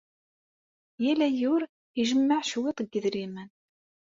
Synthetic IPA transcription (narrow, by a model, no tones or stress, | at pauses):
jælæjʊɾ | iʒəmːəʕʃwet̪ˤəɡːəðɾimən